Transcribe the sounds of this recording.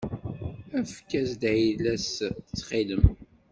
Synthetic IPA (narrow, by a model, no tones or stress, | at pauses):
æfkːæsd̪ilæsət͡sːχiləm